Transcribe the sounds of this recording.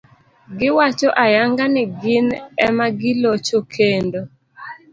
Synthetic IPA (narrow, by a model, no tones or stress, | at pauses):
ɡɪwat͡ʃoʔajaŋɡanɪɡɪnɛmaɡɪlot͡ʃokʰendo